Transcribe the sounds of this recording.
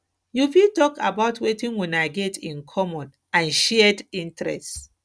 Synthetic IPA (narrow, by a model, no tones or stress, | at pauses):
jufitɔka̰baʊtwetĩnwɛ̃naɪɡɛtĩnkʰɔmɔd | ãnʃɛdĩntɾɛ̰st